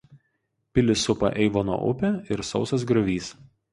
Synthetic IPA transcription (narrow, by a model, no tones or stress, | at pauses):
pʲɪlʲɪsʊpɐ̰ʔɛɪʋoːno̰ːʔʊ̰pʲɛɪɾsɒʊsɐs̬ɡɾɐʋʲiːs